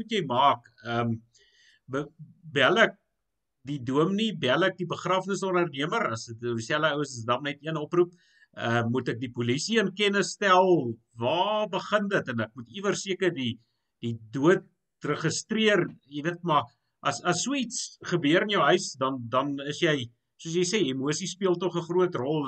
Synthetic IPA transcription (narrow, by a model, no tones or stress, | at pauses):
utjɛjmɑːk | əm | bəbælək̚ | diduəmnibælək̚dibəχrɑːfnəsɔnərniəmərɐsəsæləəwəsəsdɑmnɛtiənɔprup̚ | əmutək̚dipulisiənkɛnəstælˠ | vɑːbəχəndətənək̚mutivərsiəkərdi | d̥iduət̚ | rəχəstriərjəviət̚mɐ | ʔɐsɐsːuəitsχəbiəɾənjəwɦœɥsdɐndɐnəsjɛj | suəs̬jɛjseːemuəsispiəlˠtɔχəχruətrɔlˠ